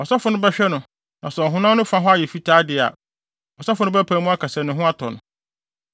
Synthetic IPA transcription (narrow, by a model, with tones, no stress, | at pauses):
ɔ˨sa˦fʊ˨nʊ̃˦bɛ˦ɕᶣɛ˦nʊ̃˨ | nʔã˨sɛ˨ɔ˨ɦʊ̃˦nã˦nʊ̃˦fã˦ɦʊ˦a˦˨jɛ˨fi˦tʰaː˦dɪ˨a̰˨ | ɔ˨sa˦fʊ˨nʊ̃˦bæ˦pʰã˨mũ˦a˦kʰa˨sɛ˨nʊ̃˨˦ɦʊ̃˦a˦tʰɔ˨nʊ̰̃˨